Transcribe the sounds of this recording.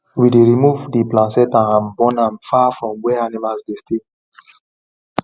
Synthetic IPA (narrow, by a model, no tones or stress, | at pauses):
wideɹimuvdiplãnsɛtãnãnbɔ̃nãnfafɹɔ̃mwɛanimalsdeste